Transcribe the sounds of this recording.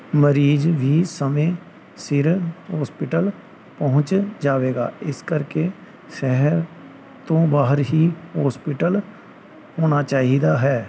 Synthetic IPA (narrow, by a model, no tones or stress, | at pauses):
məɾiːd͡ʒʋʱiːsəmẽ | sɪɾɦɔːspɪʈəl | pəɦʊ̃t͡ʃd͡ʒaːʋeːɡaːɪskəɾke | sɛɦəɾ | t̪õːbaːɦəɾɦiːɦɔːspɪʈəl | hoːnat͡ʃaːɦid̪aːɦɛː